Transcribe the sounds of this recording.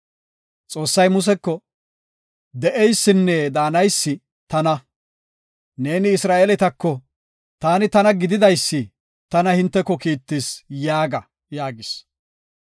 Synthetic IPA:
t͡sʼo̞ːsːɐjmʊs̬ɛkːɔ | d̪ɛʔɛjsːɪnːɛd̪aːnɐjsːɪ | t̪ɐnɐ | ne̞ːnɪːsɾaːʔelɛt̪ɐkːɔ | t̪aːnɪt̪ɐnɐɡɪd̪ɪd̪ɐjsːɪ | t̪ɐnɐhɪnt̪ːɛkːɔkiːt̪ːɪsjaːɡɐ | jaːɡɪs

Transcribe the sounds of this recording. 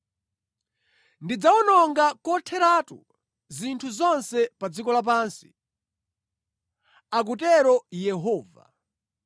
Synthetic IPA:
ndid͡zaɔnɔŋɡakɔtʰɛɾatṵ | zintʰuzɔnsɛpad͡zikɔlap̬aːnsi̥ | ak̬utɛɾɔjɛɦɔːva̰

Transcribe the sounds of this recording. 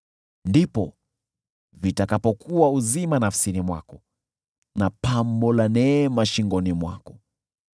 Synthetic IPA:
ndipɔ | vitakapɔkuauzimanafsilimwa̰kɔ | napambɔlanɛːmaʃiŋɡɔnimwa̰kɔ

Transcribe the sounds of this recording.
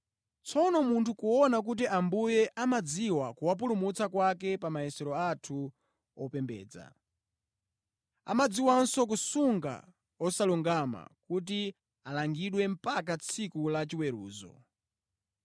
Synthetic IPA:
t͡sʰɔnɔmuntʰukuɔnak̬ut̬iambujɛʔamad͡ziwakuwap̬ulumut͡sakwakɛpamajɛsɛɾɔatʰu | ɔpɛmbɛ̰ːd͡za̰ | a̰mad͡ziwansɔk̬usuŋɡa̰ | ɔsaluŋɡama̰kut̬i | alaŋɡiɗwɛm̩pak̬at͡sʰikulat͡ʃiwɛɾṵːzɔ̰

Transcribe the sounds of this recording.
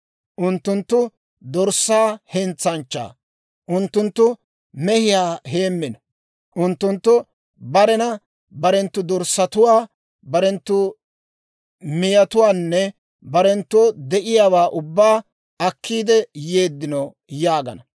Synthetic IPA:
ʔʊnt̪ːʊnt̪ːʊ | d̪ɔɾsːaːhɛnt͡sːɐnt͡ʃːa̰ː | ʔʊnt̪ːʊnt̪ːʊ | mɛhɪjaːheːmːɪnɐ | ʔʊnt̪ːʊnt̪ːʊ | bɐɾɛnɐ | bɐɾɛnt̪ːʊd̪ɔɾsːɐt̪ʊwaː | bɐɾɛnt̪ːʊ | mɪjɐt̪ʊwaːnːɛ | bɐɾɛnt̪ːod̪ɛʔɪjaːwaːʔʊbːaː | ɐkʰːiːd̪ɛjeːd̪ːɪno | jaːɡɐ̰nɐ

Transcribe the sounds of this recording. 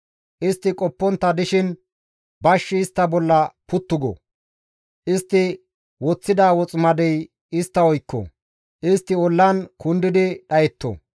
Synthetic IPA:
ʔɪst̪ːɪkʼɔpːɔnt̪ːɐd̪ɪʃɪn | bɐʃːɪːst̪ːɐbɔlːɐpʊt̪ːʊɡɔ̰ | ʔɪst̪ːɪ | wɔt͡sːɪd̪aːwɔt͡sʼmɐd̪ɛj | ɪst̪ːɐɔjkːɔ̰ | ʔɪst̪ːɪɔlːɐnkʊnd̪ɪd̪ɪɗɐjɛt̪ːɔ̰

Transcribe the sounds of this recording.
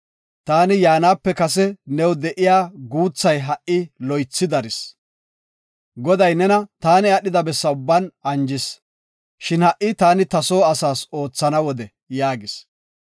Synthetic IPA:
t̪aːnɪjaːnaːpːɛkɐs̬ɛnɛwd̪ɛʔɪjaːɡuːt͡sːɐjɦɐʔːɪlɔjt͡sːɪd̪ɐɾɪs | ɡɔd̪ɐjnɛnɐt̪aːnɪɐɗɪd̪ɐbɛsːɐʊbːɐnɐnd͡ʒɪs | ʃɪnhɐʔɪt̪aːnɪt̪ɐso̞ːɐsaːso̞ːt͡sːɐnɐwɔd̪ɛ | jaːɡɪs

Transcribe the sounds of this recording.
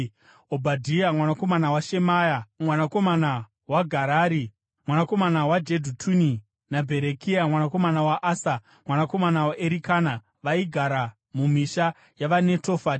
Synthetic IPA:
obʱadʱijamwanako̞manawaʃe̞majamwanako̞mana | waɡʱaɾaːɾi | mwanako̞manawad͡ʒedʱutʰuni | nabʱe̞ɾekʰiamwanako̞manawaʔaːsa | mwanako̞manawaʔeɾikaːna | ʋaiɡʱaɾa | mumiʃa | jaʋane̞tofati̥

